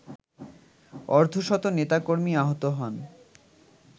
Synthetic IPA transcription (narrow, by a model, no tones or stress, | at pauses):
ɔɾd̪ʱoʃɔt̪onet̪akoɾmiaɦot̪oɦɔn